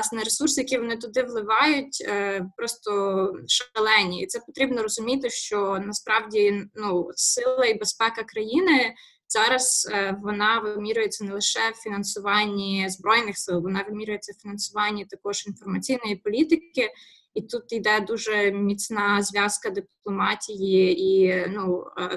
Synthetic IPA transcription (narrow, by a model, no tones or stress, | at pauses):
snɛɾesursɪjɐkʲiʋɔnɪt̪̬ʊd̪ɪʋlˠɪʋɑjʊtʲːpɾɔst̪ɔʃlˠɛnʲiit̪sɛpɔt̪ɾʲibnɔɾɔzʊmʲit̪ɪʃt͡ʃɔnɐspɾɑwdʲinusɪlˠɐibespɛkɐkɾɐjinɪ | z̥ɑɾɐz̥ʋɔnɑʋɪmʲiɾʲʊjet͡sʲːɐnɛlˠɪʃɛwfʲinɐnsʊʋɑnʲːizbɾɔjnɪxsɪlˠʋɔnɑʋɪmʲiɾʲʊjet͡sʲːɐwfʲinɐnsʊʋɑnʲːit̪ɐkɔʒ̥infɔrmɐt͡sʲijnɔjipɔlʲit̪ɪkɪ | it̪ut̪id̪ɛd̪uʒɛmʲit͡sʲnɑzʋʲɑskɐd̪ɪplˠɔmɑtʲijiinu